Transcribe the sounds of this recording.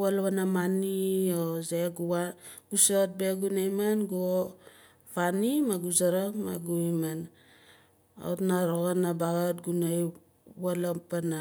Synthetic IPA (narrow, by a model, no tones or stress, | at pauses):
walβanamaniozeɡuaɡ̥usot̚be̞ɡunajmanɡuo | fanimaɡuzaɾakma̰ɡuiman | a̰tnaɾoɡanabaɡatɡunaj | walapana